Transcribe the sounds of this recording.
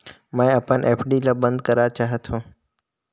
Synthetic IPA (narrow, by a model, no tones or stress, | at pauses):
mãẽɐpãnʔeːpʰɖiːlaːbə̃nd̪kɐɾat͡ɕaːɦet̪ʰõː